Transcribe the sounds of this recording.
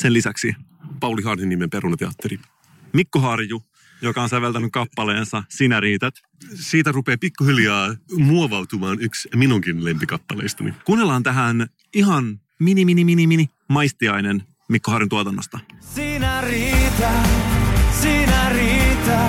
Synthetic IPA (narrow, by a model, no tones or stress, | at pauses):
senlisæksi | pɑwliɦɑnhinːimempe̞ɾunɑt̪eɑ̰t̪ːeɾi | mikːoɦɑrju | jo̞kɑonsæʋelt̪ænykkɑpːɑle̞ːnsɑsinæɾiːt̪æt̪ | siːt̪ærupe̞ːpikːuɦiljɑːmuoʋɑwt̪umɑːnyksminuŋkinlempikɑpːɑlḛjst̪ɑnḭkunːelːɑːnt̪æɦæn | iɦɑn | miniminiminimini | mɑjst̪iɑjne̞n | mikːoɦɑːɾjunt̪uot̪ɑnːost̪ɑsinæɾit̪æ | sinæɾit̪æ